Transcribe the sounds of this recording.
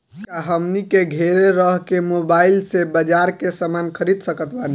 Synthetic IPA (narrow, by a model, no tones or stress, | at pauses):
kaɦəmnikeɡʱeɾeɾəɦkemobailsebəd͡ʒaɾkesəmankʰəɾid̪səkət̪bani